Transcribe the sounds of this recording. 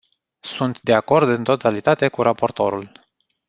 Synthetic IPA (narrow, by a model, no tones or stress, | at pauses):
sunt̪d̪e̞ako̞rd̪ɨnt̪o̞t̪alit̪at̪e̞kuɾapo̞rt̪o̞ɾul